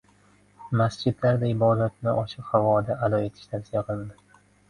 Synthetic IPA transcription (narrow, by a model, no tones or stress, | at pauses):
masd͡ʒɪd̪laɾd̪aɪbɒd̪at̪̚nɪʔɒʃɪqhavɒd̪aʔalɒe̞t̪ʰɪ̥ʃt̪ʰafsijaqʰɨlˠɪnd̪ɪ